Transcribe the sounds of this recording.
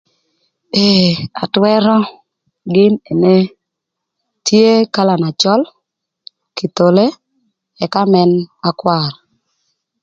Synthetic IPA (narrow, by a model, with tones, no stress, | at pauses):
e˨a˨twɛ˦ɾɔ˦ | ɡɪ˦ne˨ne˦ | tʰje˦ka˦la˨na˨t͡ʃɔ˦l | ki˨t̪o˨le˦ | ɛ˨ka˦mɛ˦na˦kwa˦˨ɾ